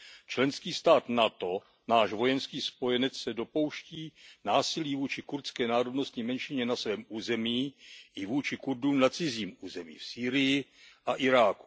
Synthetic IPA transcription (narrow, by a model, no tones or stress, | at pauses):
t͡ʃlɛnskiːst̪aːt̪nat̪o̞ | naːʃvo̞jɛnskiːspo̞jɛnɛt͡ssɛdo̞po̞wʃciːnaːsɪliːvuːt͡ʃɪkuɾt̪skɛːnaːɾodno̞st̪ɲimɛnʃɪɲɛnasvɛːmʔuːzɛmiːʔɪvuːt͡ʃɪkuɾduːmnat͡sɪziːmuːzɛmḭːfsiːɾɪjɪʔaʔɪɾaːku̥